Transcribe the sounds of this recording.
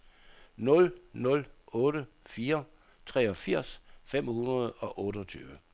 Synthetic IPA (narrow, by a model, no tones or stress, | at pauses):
nɔ̽lnɔ̽lɔ̽ːɾə | fiːɐ | t͡sʰʁɛːɒ̽fiɐ̰sfem̰hunʁɐð̞̩ˠɒ̽ʔɔ̽ːɾəɒt͡sʰy̰ːʋə